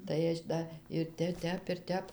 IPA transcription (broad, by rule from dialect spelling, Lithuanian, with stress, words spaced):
tɐɪ ˈɐʃ dɐ ɪr ˈtʲɛ ˈtʲɛp ɪr ˈtʲɛp